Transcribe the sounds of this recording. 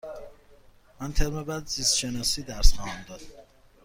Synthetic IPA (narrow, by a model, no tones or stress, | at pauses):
mænt̪ʰeɾmebæd̪zist̪ʃenɒːsiːd̪æɾsχɒːhæmd̪ɒːd̪